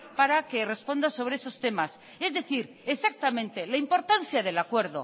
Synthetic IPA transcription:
paɾake̞re̞spo̞nd̪aso̞β̞ɾeeso̞st̪e̞mas | e̞zðe̞θiɾ | esak̚t̪amẽ̞nt̪e̞laimpo̞ɾt̪an̟θjaðe̞lakwe̞ɾðo̞̰

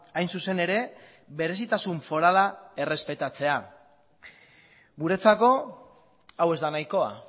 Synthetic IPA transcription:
ajnsuse̞ne̞ɾe̞ | βe̞ɾe̞sit̪asuɱfo̞ɾalae̞re̞spe̞t̪at͡se̞a | ɡuɾe̞t͡sako̞ | awe̞zd̪anajko̞a̰

